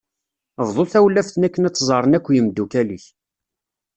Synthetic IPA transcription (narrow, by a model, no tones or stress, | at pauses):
vðˤoθæwlːæfθnækːənæt͡sːzˤəɾˤənækʷːjəmd̪ːukæliç